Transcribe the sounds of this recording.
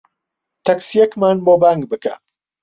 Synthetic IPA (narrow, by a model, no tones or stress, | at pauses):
t̪ʰɐksjɛkmaːnboːbaːŋɡ̚bɨka̰